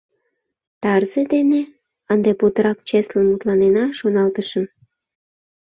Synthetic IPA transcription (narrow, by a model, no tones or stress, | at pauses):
t̪ɑrzəd̪ene | ənd̪epot̪əɾɑkt͡ɕeslənmut̪lɑnenɑʃonɑlt̪əʃəm